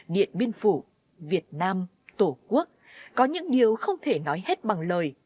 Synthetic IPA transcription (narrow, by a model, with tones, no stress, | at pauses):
ɗḭ˧˨ənɓi˧ənfu˧˩ | vi˨˩ət̚naː˧m | t̪o˧˩ku˦˥ək̚ | kɔ˨˦ɲɨ̰˧˥ŋɗi˨˩əwxə˧wŋ͡mt̪ʰe˧˩nɔ˨˦jhe˦˥t̚ɓa˨˩ŋləː˨˩j